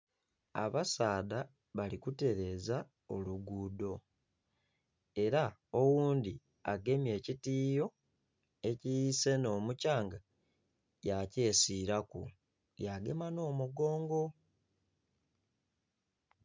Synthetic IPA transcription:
a̰βasaːda | βalikute̞ɾe̞ːza | o̞luɡuːdo̞ | e̞ɾao̞wuːndi | aɡe̞mje̞ːcitiːjo̞ | e̞cijise̞no̞ːmucaːŋɡa | jace̞ːsiːɾakṵ | jaɡe̞mano̞ːmuɡo̞ːŋɡo̞

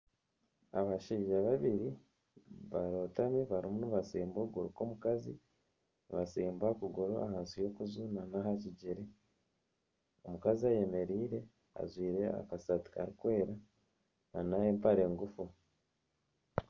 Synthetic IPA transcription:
aβaʃiːʒaβaβiɾi | βaɾo̞ːtamiβaɾimuniβaseːmbo̞ɡoɾuko̞mukazḭ | niβaseːmbakuɡoɾoa̰haːnsijo̞kuzunanaɦaciɟeɾe | o̞mukaziaje̞me̞ɾiːɾe̞ | a̰zwiːɾe̞a̰kasati̥ka̰ɾikwe̞ːɾa | nanajeːmpaɾe̞ːŋɡufu

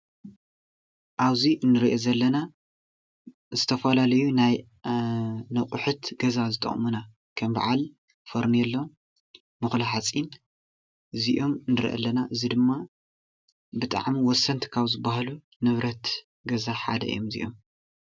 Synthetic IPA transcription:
ʔaβziʔɨnːɨɾiʔozɐlːɐna | zɨt̪ʰɐfɐlalɐjunaj | nɐkʼʊħut̪ɡɐzazɨt̪ʼɨ̰χʼmuna | kʰɐmba̰ʕal | foɾnijɛlːom | mɨxlaħat͡sʼin | ʔɨziʔo̞mɨnɨɾʔɐ̰lːɐnaʔɨzid̪ɨmːa | bɨt̪ʼa̰ʕmiwɔsːɐnt̪ʰkʰaβzɨbːahalu | nɨβɾɐt̪ | ɡɐzaħa̰d̪ɐ̰ḭjomzḭʔo̞m

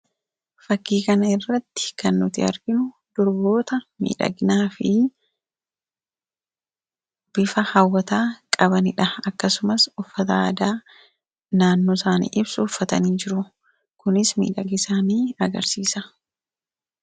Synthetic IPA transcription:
fɐkːiːkɐnɐɪrːɐt̪ːɪ̥kɐnːʊt̪ɪɐ̰ɾɡɪnʊ | d̪̥ɔɾbo̞ːt̪ɐmḭːᶑɐ̰ɡɪnaːfɪ | b̥ɪfɐhɐwːɐt̪aːkʼɐbɐnɪᶑɐɐkːɐsʊmɐsʊfːɐt̪ɐaːd̪aː | naːnːoːsaːnḭːʔɪbsʊʊfːɐt̪ɐniːd͡ʒɪɾʊ | kʊnɪsmḭːᶑɐɡɪsaːniːɐɡɐ̰ɾsiːsɐ

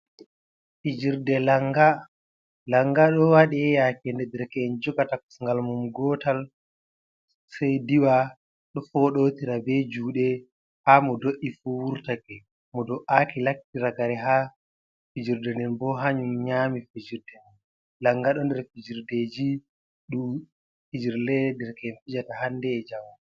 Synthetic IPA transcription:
fid͡ʒiɾdɛlaŋɡa | laŋɡaɗɔwaɗɛɛjakɛndɛdɛɾkɛɛnd͡ʒɔɡataku̥sŋɡalmumɡɔtal | sɛjdiwa | ɗɔfɔɗotiɾabɛd͡ʒuːɗɛ | hamɔdoʔifuwuɾtakɛ | mɔdɔʔakilaktːiɾaɡaɾɛɦa | fid͡ʒiɾdɛnɛnbɔɦaɲumɲamifid͡ʒiɾdɛn | laŋɡaɗɔndɛɾfid͡ʒiɾded͡ʒi | ɗu | fid͡ʒiɾlɛdɛɾkɛːnfid͡ʒatahandɛːd͡ʒamu

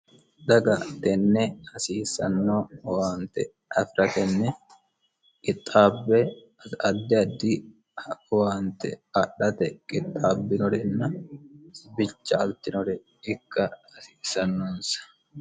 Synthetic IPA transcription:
d̪ɐɡɐt̪ɛnːɛhɐsiːsɐnːoːwaːnt̪ɛ̰ | ɐfɪɾʔɐt̪ɛnːɛ | kʼɪt̪ʼːaːbːɛ | ɐd̪ːɪɐd̪ːi | waːnt̪ɛ̰ɐɗɐt̪ɛkʼɪt̪ʼːaːbːɪnɔɾɛnːɐ | bɪt͡ʃːɐɐlt̪ɪnɔɾɛ | ɪkːɐɐsiːsɐnːoːnsɐ̥

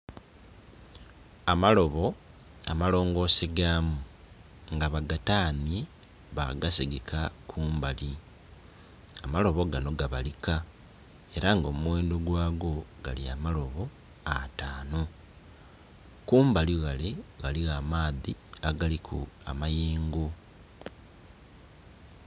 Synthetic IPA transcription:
amalo̞βo̞ | a̰malo̞ːŋɡo̞ːseɡaːmu | ŋɡaβaɡataːnje | βa̰ɡasiɡekakʰuːmbali | amalo̞βo̞ɡano̞ɡaβalika | e̞ɾaŋɡo̞ːmuweːndoɡwaːɡo̞ɡaliamalo̞βo̞ | ataːno | kuːmbaliɣaleɣaliɣamaːðiaɡalikʰua̰majeːŋɡo

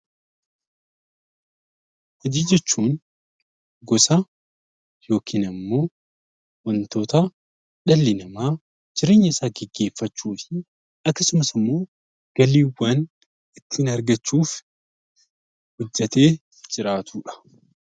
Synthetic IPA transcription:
hɐd͡ʒiːd͡ʒɛt͡ʃːuːn | ɡɔsa | jo̞ːkʰiːnɐmːo̞ː | wɐnt̪o̞ːt̪ɐ | ᶑɐlːɪnɐmaː | d͡ʒɪɾe̞ːɲːɐɪsaːɡɛɡːe̞ːfːɐt͡ʃːuːfɪ | ɐkːɐsʊmɐsɪmːo̞ː | ɡ̥ɐliːwɐːn | ɪt̪ːɪɪnɐɾɡɐt͡ʃːuːf | hɔd͡ʒːɐt̪e̞ː | d͡ʒɪɾaːt̪ʰuːᶑɐ̥

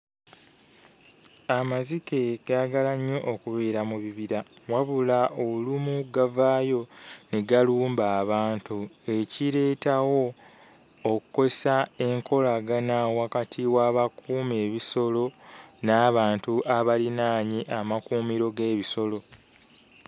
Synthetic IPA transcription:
amazike̞ɡ̥aaɡalaɲːo̞ʔokuβeːɾamuβiβiɾawaβulaolumuɡavaːjo̞neɡaluːmbaːβaːntue̞ciɾe̞ːtawo̞ː | kuko̞sae̞ŋkʰo̞laɡanawakatʰiwaːβakuːme̞ːβiso̞lo̞naːβaːntuʔaβalinaːɲiʔamakuːmiɾo̞ɡe̞ːβiso̞lo̞

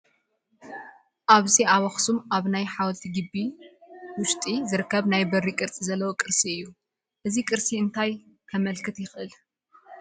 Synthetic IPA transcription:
ʔaβziʔawɐxsumʔaβnajħawlt̪ʰiɡɨbːi | wʊʃt̪ʼizɨɾɨkʰːɐβnajbɐrːikʼɨɾt͡sʼizɐlːɐwokʼɨɾsiɨjːu | ʔɨzikʼɨɾsʼiɨnt̪ʰaj | kʰɐmɐlkʰɨt̪jɪxʔɨl

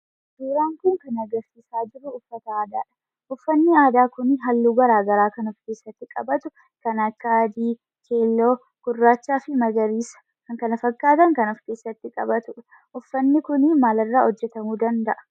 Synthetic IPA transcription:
b̥eːɾaːŋkʊŋkɐnɐɡɐɾsiːsaːd͡ʒɪrːʊʊfːɐt̪ɐaːd̪a̰ːᶑɐ̥ | ʔʊfːɐnːɪaːd̪aːkʊnɪɦɐlːuːɡɐɾaːɡɐɾaːkɐnʊfkeːsːɐt̪ːɪkʼɐ̰bɐt̪ʊ | kɐnɐkːad̪iː | kʰe̞ːlːo̞ː | kʊrːaːt͡ʃːaːfɪmɐɡɐɾiːsɐ̥ | kɐŋkɐnɐfɐkʼːaːt̪ɐŋkɐnɔfke̞ːsːɐt̪ːɪkʼɐbɐt̪ʊᶑ | ʔʊfːɐnːɪkʊnɪmaːlɐrːaːhɔd͡ʒːɛt̪ɐmuːd̪ɐnd̪ɐʔɐ̥

